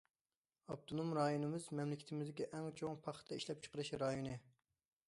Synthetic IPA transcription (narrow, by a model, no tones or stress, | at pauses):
ɑb̚t̪ʰonumɾɑjonɨmɨzmɛmlɪkʲʰɪ̥t̪ʰɪmɪzd̪ɪkʲiʔɛŋt͡ʃʰoŋpʰɑχt̪ʰɛiʃlɛp̚t͡ʃʰə̥qəɾɨʃɾɑjonɨ